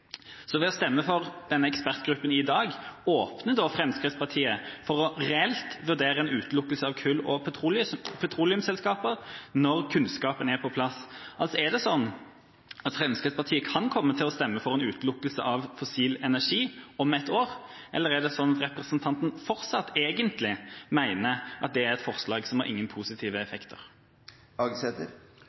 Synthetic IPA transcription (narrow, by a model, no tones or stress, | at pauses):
sɔʋɛɔst̪ɛmːəfɔʁd̪̥ɛnːəɛkspæʁt̪ɡɾʉpːənɪd̪ɑːɡoːpnəd̪ɔfɾɛmskʁɪt̪spʰɑt̪ʰiːəfɔʁɔʁɛɛlt̪ʋʉd̪eːɾəɛnʉːt̪lʊkːəlsəɑʋkʰʉlɔ̰ | pʰɑt̪ʰɾuːlɪʉmsɛlskɑːpəʁnɔɾkʰʉnskɑːpənæɾpʰɔpʰlɑsʔɑlsɔæd̪ɛsɔnː | ɑt̪fɾɛmskəspʰɑʁt̪ʰiːəkʰɑnkʰɔmːət̪ʰɪlɔst̪ɛmːəfɔʁɛnʉːt̪lʊkːəlsə̰ʔɑʋfɔsiːlɛnæʁʂiːɔmɛt̪oːʁ | ʔɛlːəʁæd̪ɛsɔnːɑt̪ɾɛpɾəsənt̪ʰɑnt̪n̩fɔɾsɑt̪ːeːɡənt̪lɪmæɪnəʔɑt̪̚d̪ɛæɾɛt̪fɔʁslɑːɡsɔmhɑɾʔɪ̰ŋːənpʰuːsɪt̪ʰiːʋəɛfɛkt̪ʰə̰ʁ | ɑɡsɛt̪əɾ